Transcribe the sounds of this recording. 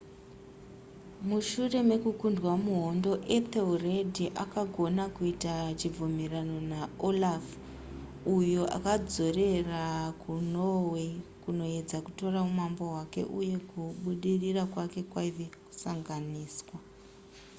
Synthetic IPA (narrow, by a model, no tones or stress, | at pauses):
muʃure̞me̞kukundwamuɦo̞ndo̞ʔet̪eredʱiʔakaɡʱo̞nakuitat͡ʃib͡vumirano̞naolaf | ujoʔa̰kad͡zo̞re̞rakunowekuno̞e̞d͡zakuto̞raumambo̞ɦwake̞̰ʔuje̞kuɓuɗirirakwake̞kwaiʋeku̥saŋɡaniːswa